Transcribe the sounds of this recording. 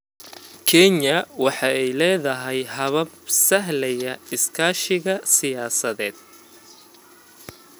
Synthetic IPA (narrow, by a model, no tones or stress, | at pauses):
kʰɛɲɐwɑħɑɛjlɛːðɐɦɛjɦɐβɐbsɐɦlɛjɐɪskʰaːʃɪɣɐsɪjaːsɐðɛːd̪̥̚